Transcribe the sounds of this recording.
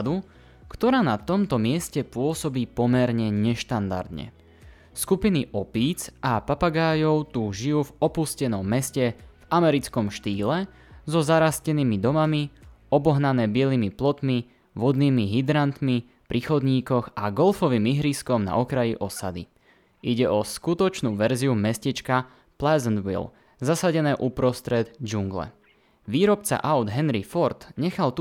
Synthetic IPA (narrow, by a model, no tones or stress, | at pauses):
d̪u | kt̪ɔɾaːnat̪ɔmt̪ɔmɪɛscɛpʊɔsɔbiːpɔmɛɾɲɛɲɛʃt̪and̪a̰ɾd̪ɲɛ̰ | skupiniʔɔpiːt͡sʔapapaɡaːjɔʊt̪uːʒijuːvɔpuscɛnɔmːɛscɛv̥amɛɾit͡skɔmʃt̪iːlɛ | zɔzaɾascɛniːmid̪ɔmami | ɔbɔɦnanɛːbɪɛliːmiplɔt̪mi | ʋɔd̪niːmiɦid̪ɾant̪mi | pɾʔiːxɔd̪ɲiːkɔɣaɡɔlfɔʋiːmiɦɾiskɔmna̰ʔɔkɾajiʔɔsad̪ḭ | ʔiɟɛʔɔskut̪ɔt͡ʃnuːʋɛɾziumɛscɛt͡ʃka | plɛzɛnd̪ʋḭl | zasaɟɛnɛːʔupɾɔst̪ɾɛd̪d͡ʒuŋɡlɛ̰ | ʋiːɾɔpt͡sa̰ʔaʊd̪ɦɛnɾifɔɾt̪ɲɛxalt̪u